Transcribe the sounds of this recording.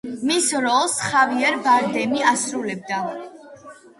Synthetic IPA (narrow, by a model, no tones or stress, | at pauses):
misɾɔlˠsχaviɛɾbaɾd̪ɛmiasɾulɛb̚d̪a